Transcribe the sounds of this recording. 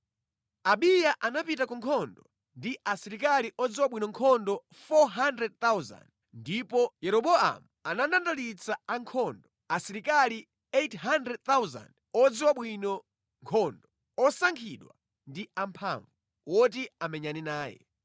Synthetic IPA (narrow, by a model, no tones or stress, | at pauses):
aɓijaʔanapitakɔŋkʰɔndɔ | ndiʔasiɾikaliʔɔd͡ziwaɓwinɔŋkʰɔndɔ | fɔɦandɾɛd̚t̪awza̰nd | ndipɔjɛɾɔɓɔa̰muanandandalit͡sʰaaŋkʰɔːndɔ | asiɾikali | etɦandɾɛd̚t̪awza̰nd | ɔd͡ziwaɓwinɔ | ŋkʰɔːndɔ | ɔsaŋkʰiɗwa̰ | ndiampʰa̰ːɱvu | wɔt̬iamɛɲaninaːjɛ̰